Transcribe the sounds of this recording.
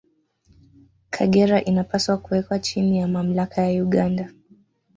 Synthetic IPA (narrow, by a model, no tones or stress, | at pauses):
kʰaɠɛɾaʔinapaswakuwɛkwat͡ʃinijamam̩lakʰajauɠanda